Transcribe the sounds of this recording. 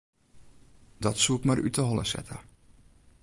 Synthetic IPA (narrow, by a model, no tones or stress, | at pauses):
dɔtsuɪkmarʔy̰təɦɔlˠə̰sɛ̰tʰa̰